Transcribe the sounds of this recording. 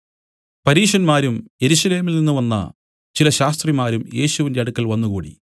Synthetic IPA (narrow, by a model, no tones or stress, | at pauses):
pɐɾiːʂɐnmaːɾumje̞ɾuɕɐle̞ːmilninːuʋɐnːɐ̰ | t͡ɕilɐɕaːst̪rimaːɾumje̞ːɕuʋinde̞ɐɽukːɐlʋɐnːukṵːɽḭ